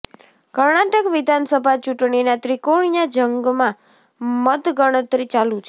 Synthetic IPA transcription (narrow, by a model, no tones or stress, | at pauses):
kəɾɳaʈəkʋɪd̪ʱansəbʱat͡ʃuʈɳinat̪ɾikoɽijad͡ʒəŋɡmã | mət̪ɡəɽ̃ət̪ɾit͡ʃalũt͡ʃʰe